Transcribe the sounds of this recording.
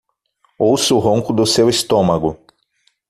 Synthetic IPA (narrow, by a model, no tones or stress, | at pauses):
owsʊʊɦõŋkʊd̪ʊsewist̪õmɐɡʊ